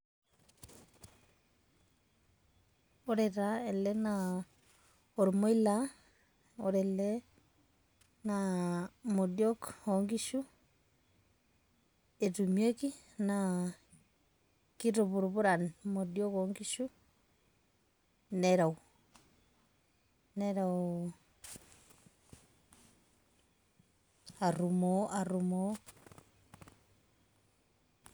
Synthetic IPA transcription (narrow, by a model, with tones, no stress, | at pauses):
oɾɛɾaɛ˨lɛ˦na | oɾmo˦i˦la | oɾɛlɛ | na | mo˨djɔ˦kɔŋɡi˦ʃu˦ | e˨tumie˦ki˦ | na | ki˦to˨βu˨ɾu˨βo˦ɾa˨nmo˨di˦ɔ˦kɔŋɡi˦ʃu˦ | nɛɾa˨o˨ | nɛɾao | a˨ɾu˨mɔ˨a˨ɾu˨mɔ˦